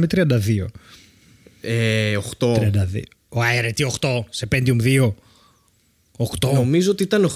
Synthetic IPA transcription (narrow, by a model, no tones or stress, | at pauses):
met̪ɾiɐnd̪ɐðio̰ | eoxt̪ot̪ɾiɐnd̪ɐðḭo | oɐeɾet̪ioxt̪o̞sepend̪iumðio̞ | oxt̪oomizoot̪iit̪ɐnox